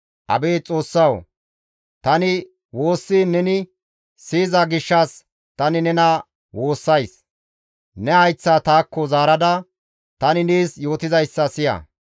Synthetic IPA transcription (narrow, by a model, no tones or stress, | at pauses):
ʔɐ̰beːt͡sʼo̞ːsːɐw | t̪ɐnɪ | wo̞ːsːinɛnɪ | siːzɐɡɪʃːɐs | t̪ɐnɪnɛnɐ | wo̞ːsːɐjs | nɛɐjt͡sːaːt̪aːkːɔzaːɾɐd̪ɐ | t̪ɐnɪniːsjo̞ːt̪ɪzɐjsːɐsɪjɐ̰